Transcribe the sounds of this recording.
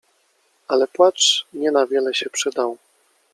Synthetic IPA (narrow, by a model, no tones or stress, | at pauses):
alɛpwatt͡ʂɲɛnavʲjɛlɛɕɛpʂɘd̪aw